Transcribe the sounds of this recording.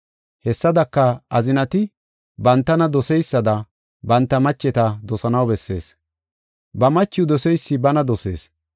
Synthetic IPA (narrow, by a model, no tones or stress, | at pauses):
hɛsːɐd̪ɐkːɐɐzɪnɐt̪ɪ | bɐnt̪ːɐnɐd̪ɔsɛjsːɐd̪ɐ | bɐnt̪ːɐmɐt͡ʃːɛt̪ɐd̪ɔsɐnɐwbɛsːe̞̰ːs | bɐmɐt͡ʃːɪjʊd̪ɔsɛjsːɪbɐnɐd̪ɔse̞̰ːs